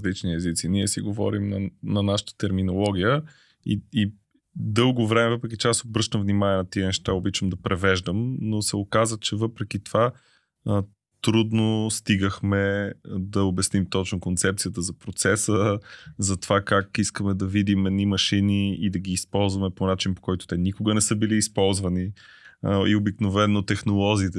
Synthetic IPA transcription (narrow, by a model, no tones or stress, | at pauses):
zlit͡ʃniɛzit̪siniɛsiɡovɔ̰ɾimnɐnɐnaʃə̥t̪ə̥t̪ɛɾminolˠɔɡʲijə | ii | d̪ɤlˠɡovɾɛmɛvɤpɾɛk̬ʲit͡ʃɛasobɾɤʃt̪əmvnimaniɛnɐt̪iənɛʃt̪aobit͡ʃəmd̪ɐpɾɛvɛʒd̪əmnosɛokazət͡ʃɛvɤpɾɛk̟it̪ova | t̪ɾud̪nost̪iɡəxmɛd̪ɐobɛsnimt̪ɔt͡ʃnokont̪sɛp̚t̪sijət̪əzɐpɾot̪sɛsəzɐt̪ovakakiskəmɛd̪ɐvid̪imɛd̪nimɐʃiniid̪ɐɡiːspɔlˠzvɐmɛponat͡ʃinpo̥kɔjt̪ʊ̥t̪ɛnikoɡənɛsɤbiliːspɔlˠzvɐni | ḭobiknovɛnot̪ɛxnolˠɔzʲiːt̪ɛ